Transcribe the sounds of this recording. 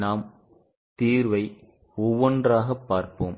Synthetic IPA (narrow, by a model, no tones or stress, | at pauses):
naːm | t̪iːɾʋɐɪ | ɔʋːɔndraːɣɐpːaːɾpoːm